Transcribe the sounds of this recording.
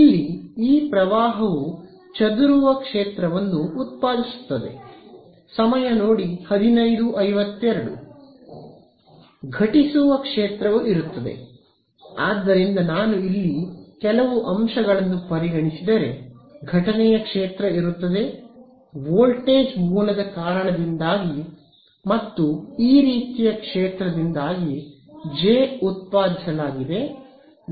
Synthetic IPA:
ilːiiːpɾɐʋaːɦɐʋu | t͡ʃɐd̪uɾuʋɐkʂeːt̪ɾɐʋɐnːuːt̪̚paːd̪isu̥t̪ːɐd̪e̞̰ | sɐmɐjɐnoːɽihɐd̪inɐjd̪uʔɐjʋɐt̪ːɛɾɐɽṵ | ɡʱɐʈisuʋɐkʂeːt̪ɾɐʋuʔiɾut̪ːɐd̪e̞̰ | aːd̪ːɐɾind̪ɐnaːnuilːikɛlɐʋuʔɐmʃɐɡɐɭɐnːupɐɾiɡɐɳisid̪ɐɾe̞ɡʱɐʈɐnɛjɐkʂeːt̪ɾɐiɾut̪ːɐd̪e̞ | ʋoːlʈeːd͡ʒmuːlɐd̪ɐkaːɾɐɳɐd̪ind̪aːɡi | mɐt̪ːuiːɾiːt̪ijɐkʂeːt̪ɾɐd̪ind̪aːɡi | d͡ʒeːut̪̚paːd̪isɐlaːɡid̪e̞

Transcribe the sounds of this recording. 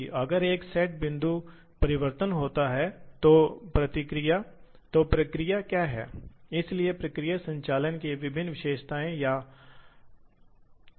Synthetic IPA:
ʔɐɡəɾeːksɛʈ̚bɪ̃nd̪ʱu | pɐɾɪʋəɾt̪ənɦoːt̪aɦɛːt̪opɾɐt̪ɪkɾija | t̪opɾɐkɾijakjaːɦɛ̰ːɪsliepɾɐkɾijasɐ̃ɲt͡ʃaːlənkeʋɪbʱɪnːʋɪʃeːʃt̪ʰaːẽja

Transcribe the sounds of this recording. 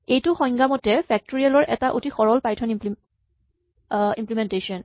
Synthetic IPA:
ejtʊxɔjŋɡamɔtɛpʰɛk̚toɹialɔɹʔɛtaʔotʰixɔɹɔlpaɹjtʰɔnimp | ḭmplimɛntejsiɔn

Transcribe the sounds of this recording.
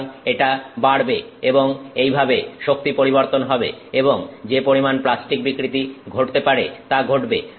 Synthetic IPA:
neʈabaɽbeeboŋejbʱabeʃok̚t̪ipoɾiboɾt̪onɦɔbḛeboŋd͡ʑepoɾimanplasʈik̚bikɾit̪iɡʱoʈt̪epaɾet̪aɡʱoʈbe

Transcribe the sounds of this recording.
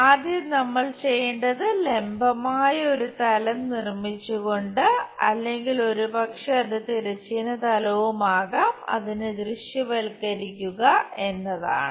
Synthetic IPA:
aːd̪ʱjɐmnɐmːɐɭt͡ɕe̞jːeɳɖɐðɨlembʱɐmaːjɐo̞ɾut̪ɐlɐmnirmit͡ɕːuɣo̞ɳɖɨɐ̰lːe̞ŋɡilo̞ɾupɐkʂɐːnɨt̪iɾɐt͡ɕːinɐt̪ɐlɐʋumaːɣaːmɐ̰ðinɨd̪riʂjɐʋɐlkɐɾikʲːuɣɐe̞nːɐða̰ːɳɨ

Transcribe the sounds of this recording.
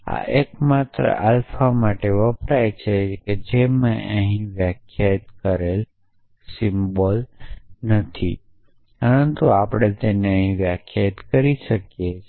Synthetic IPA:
a̰ʔekmat̪ɾə̰ʔalfamaʈeʋəpɾajt͡ʃʰeked͡ʒemãʔəɦĩʋjakʰjat̪kəɾel | sɪmbɔlnət̪ʰḭ | pəɾənt̪uapɽ̃et̪eneəɦĩʋjakʰjat̪kəɾiʃəkje

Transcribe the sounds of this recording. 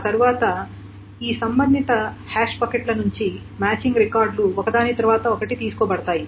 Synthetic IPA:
aːt̪ɐɾuʋaːt̪ɐ | iːsɐmbɐnd̪ːit̪ɐ | haːʂpɐkeʈlɐnuɲt͡ʃi | maːt͡ʃiŋɡɾikaːɾɖluɔkɐd̪aːnit̪ɐɾuʋaːt̪ɐokɐʈit̪iːsukɔːbɐɽɐt̪aːji

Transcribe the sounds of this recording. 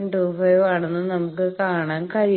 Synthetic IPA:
nʈuːfɐjʋaːɳunːɨnɐmukːɨkaːɳaːnkɐɾi

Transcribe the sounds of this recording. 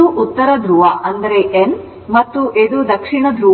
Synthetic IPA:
uʔut̪ːɐɾɐd̪ɾuʋɐʔɐnd̪ɐɾeʔen | mɐt̪ːuʔed̪ud̪ɐkʂiɳɐd̪ɾu

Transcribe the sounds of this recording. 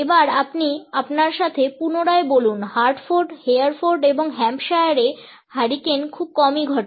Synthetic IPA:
ebaɾapniapnaɾʃat̪ʰepunoɽaebolunhaɾɖfoɾɖheaɾfoɾɖeboŋɦɛmpʃajaɾe | haɾikenkʰub̚kɔmiɡʱɔʈ

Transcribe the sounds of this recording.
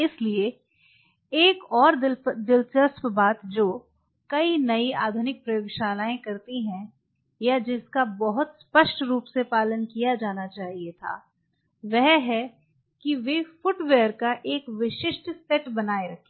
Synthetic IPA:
ɪslie | eːkɔːɾd̪ɪd̪ɪlt͡ʃəspbaːt̪d͡ʒoː | kɐinɐia̰ːd̪ʱʊnɪk̚pɾɐjoːɡʃaːlaːẽkɐɾt̪iɦɛ̃ | jad͡ʒɪskabɐɦʊt̪spəʃʈɾuːpsepaːlənkijad͡ʒaːnat͡ʃaːɦiet̪ʰa̰ː | ʋɛɦɦɛ | kiʋefʊʈʋeːəɾkaʔeːkʋɪʃɪʃʈsɛʈbɐnaːeɾɐkʰe̥

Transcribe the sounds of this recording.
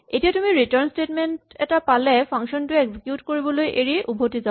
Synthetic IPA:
etijatumiɹitɔɹnstetmentɛtapalɛpʰaŋʃɔntʊɛɡzikjutkoɹibɔlojʔeɹiʔubʱotiza

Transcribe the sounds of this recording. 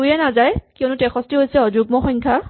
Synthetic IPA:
ujɛnazajkiɔnutɛxʰɔstiɦojsɛɔd͡ʒuɡ̚mɔxɔŋkʰa

